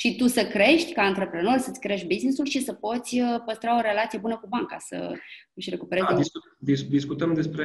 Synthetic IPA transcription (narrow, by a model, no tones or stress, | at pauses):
ʃit̪usəkɾe̞ʃt̪ʲkaɨnt̪ɾe̞pɾe̞no̞rʲsət̪sʲkɾe̞ʃt̪ʲbiznisulʃisəpo̞t̪sʲəpəst̪ɾaoɾe̞lat̪sije̞bunəkubaŋka̰sə̰ɨʃʲre̞kupe̞ɾed̪isu | d̪id̪iskut̪əmd̪e̞spɾe